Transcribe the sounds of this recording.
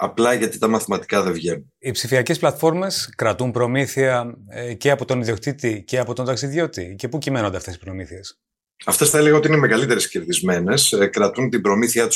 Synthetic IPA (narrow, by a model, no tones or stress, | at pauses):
ɐplɐʝɐt̪it̪ɐmɐθimɐt̪i̥kɐðe̞vʝen | ipsifiɐce̞splɐt̪fo̞ɾme̞skɾɐt̪umpɾo̞miθiɐceɐpo̞t̪o̞niðio̞kt̪it̪ice̞ɐpo̞t̪od̪ɐksiðʝo̞t̪ice̞pucime̞nond̪ɐft̪e̞si̥pɾo̞miθie̞s | ɐft̪e̞sθɐeleɣɐot̪iinemeɣɐlit̪e̞ɾesceɾðizme̞ne̞skɾɐt̪unt̪ibɾo̞miθiɐt̪u̥